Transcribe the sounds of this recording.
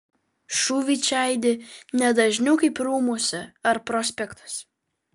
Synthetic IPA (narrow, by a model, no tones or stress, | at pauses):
ʃuːʋʲiːt͡ʃʲæˑɪd̪ʲɪnʲɛd̪ɐʒʲnʲuʊkɐɪpɾuːmoːsʲɛɐɾpɾoːsʲpʲɛkt̪ɐ̥s